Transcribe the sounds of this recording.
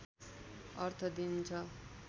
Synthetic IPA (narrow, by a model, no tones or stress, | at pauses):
ʌɾt̪ʰʌd̪int͡sʰʌ